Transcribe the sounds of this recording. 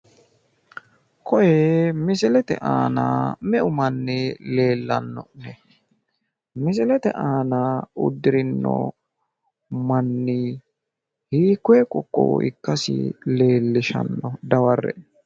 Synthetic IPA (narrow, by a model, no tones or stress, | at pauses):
kʰɔjemɪsɪlɛt̪ɛ̰ʔa̰ːna̰mɛʔʊmɐnːɪle̞ːlːɐ̰nːɔ̰nɛ | mɪs̬ɪlɛt̪ɛ̰ʔaːnaʊ̰d̪ːɪɾɪnːɔ̰ | mɐnːɪ | hiːkːwekʼɔkʼːɔ̰ɪ̰kːɐsɪ̰le̞ːlːɪʃɐ̰nːɔd̪ɐwɐrːɛ̰